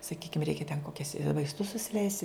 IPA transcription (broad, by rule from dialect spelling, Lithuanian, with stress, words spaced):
sɐˈkʲiːkʲɪm ˈrʲɛɪkʲɛ tʲɛn koːˈkʲɛs ʋɐɪsˈtʊs sʊsʲɪˈlʲɛɪsʲtʲ